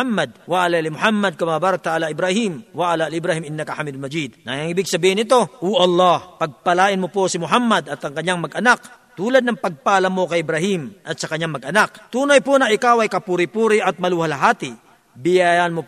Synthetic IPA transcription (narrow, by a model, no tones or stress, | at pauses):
amːɐd̪̚wɐʔalalimʊhamːɐd̪̚kɐmɐabaːɾɐk̚t̪ɐʔaːlaʔɪbɾahimwɐʔalalɪbɾaːhɪmɪnːɐkɐħamid̪lmɐd͡ʒid̪̚nɐjɐŋɪbɪɡsɐbiːhɪnɪt̪o̞ʔoʔɐlˠːɑhpɐɡ̚pɐlaːʔɪnmoposɪmʊɦamːɐd̪ɐt̪ɐŋkɐɲːaŋmɐɡʔɐnak | t̪uːlɐd̪̚nɐŋpɐɡ̚paːlɐmokɐjɪbɾɐhimʔɐt̪sɐkɐɲːaŋmɐɡʔɐnak̚t̪uːnɐjponɐʔɪkawɐjkɐpuːɾɪpuːɾɪʔɐt̪̚mɐluːhɐlɐɦaːt̪ɪ | bɪjajanmo